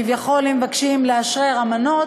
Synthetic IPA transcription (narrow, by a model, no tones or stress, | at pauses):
ivjaχo̞limevakʃimleaʃʁeʁamano̞